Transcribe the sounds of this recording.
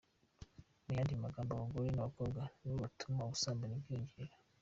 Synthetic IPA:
nijandimaɡambawaŋɡoɾinaakoɡaniwatʰumausaːmbaniɡiːɲɡiɾa

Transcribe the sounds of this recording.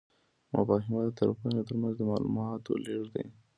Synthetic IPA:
ma̰bɑɦɪmad̪ət̪aɾapanot̪əɾmanzd̪əmɑlṵmɑt̪o̰leʐd̪a̰j

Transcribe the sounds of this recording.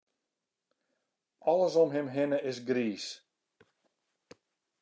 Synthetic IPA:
ɔləsɔmɦɪmɦɪnəʔɪsɡriːs

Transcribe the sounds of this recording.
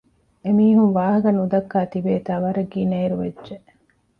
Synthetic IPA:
emiːɦunʋaːɦɐɡɐnud̪ɐkːaːt̪ibeːt̪aːʋɐɾɐɡiːnɐiɾuʋedʒe

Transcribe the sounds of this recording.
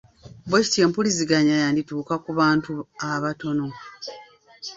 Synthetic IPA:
bweci̥tje̞ːmpuliziɡaɲajaːndituːkakuβaːntuaβato̞no̞

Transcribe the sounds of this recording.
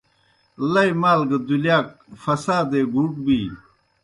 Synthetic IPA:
lɐjmaːlɡɐd̪ulijaːk̚fɐsaːd̪eɡuːʈ̚biː

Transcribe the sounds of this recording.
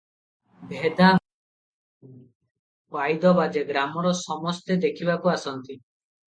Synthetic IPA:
bʱed̪a | pajd̪ɔbad͡ʒeɡɾamɔɾɔsɔmɔst̪ed̪ekʰibakuasɔnt̪i

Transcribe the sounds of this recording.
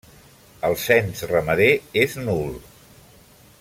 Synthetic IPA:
əlˠsɛnsrəməðeeznulˠ

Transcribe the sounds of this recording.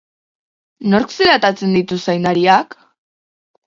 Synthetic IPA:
no̞ɾkseɾat̪at͡se̞nd̪it̪usajnaɾiak

